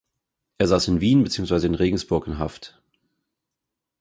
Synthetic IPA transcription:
ʔeːɐzaːsɪnviːnbət͡siːʊŋsv̥aɪzəɪnʁeːɡŋ̩sb̥ʊɐkɪnɦaft

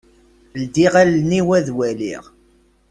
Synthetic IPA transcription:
əld̪iʁælniwæðwælḭʁ

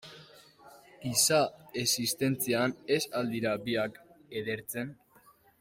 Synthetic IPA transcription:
ɡ̥isae̞sist̪e̞nt͡siane̞sald̪iɾabiakeðe̞ɾt͡se̞n

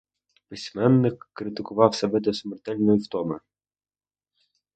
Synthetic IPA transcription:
pɪsʲmɛnːɪkːɾɪt̪ɪkʊʋɑwsʲɐʋɪd̪ɛsmɛrt̪ɛlʲnɔjiwt̪ɔmɪ

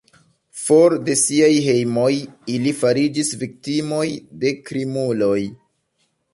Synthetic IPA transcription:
fo̞ɾde̞siajɦe̞jmo̞jilifaɾid͡ʒisvik̚timo̞jde̞kɾimulo̞j

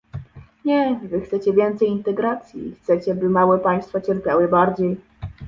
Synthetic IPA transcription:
ɲɛvɘxt̪sɛt͡ɕɛvʲjɛnt̪sɛjint̪ɛɡɾat̪sʲjḭxt̪sɛt͡ɕɛbɘmawɛpaj̃st̪fat͡ɕɛɾpʲjawɘbaɾd͡ʑej

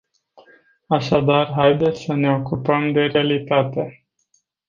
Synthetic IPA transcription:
aʃad̪arɦajd̪e̞t̪sʲsəne̞o̞kupəmd̪e̞ɾealit̪at̪e̞

